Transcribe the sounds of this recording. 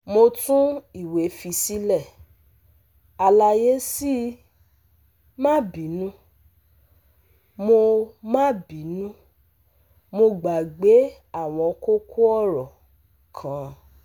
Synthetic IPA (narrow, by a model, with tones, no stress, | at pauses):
mo˧tũ˦i˦˨we˨˦fi˧si˦lɛ˦˨ | a˧la˧je˦si˦ | mã˦˨bĩ˨˦nũ˦ | mo˧mã˦˨bĩ˨˦nũ˦ | mo˧ɡ͡ba˨ɡ͡be˨˦ | a˦˨w̃ɔ̃˧ko˦ku˦ɔ˦˨ɾɔ˨ | kʰã˨˦